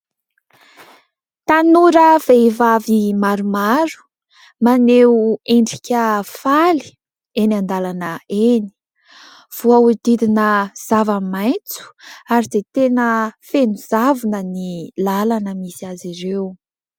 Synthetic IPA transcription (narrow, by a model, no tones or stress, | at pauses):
t̪anuɾəv̥evavimaɾumaɾu̥ | maneueɳɖ͡ʐikʲəfali̥ | enand̪alanəeni̥ | v̥uaud̪̥id̪inəz̥avamajnt͡su̥aɾiz̥et̪enəfenuzavunənilalanəmisiaziɾew